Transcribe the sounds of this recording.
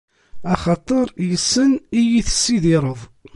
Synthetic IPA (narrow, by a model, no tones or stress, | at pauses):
ɑχɑt̪ˤəɾˤjəsːənijiθə̥sːiðiɾˤəðˤ